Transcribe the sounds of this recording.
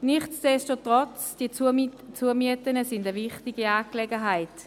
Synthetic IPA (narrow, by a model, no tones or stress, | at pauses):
nɪχt͡sd̥ɛʃtotʁɔt͡sd̥iət͡suəmiətənəsɪndəvɪχtiɡiaːklɛɡəɦaɪt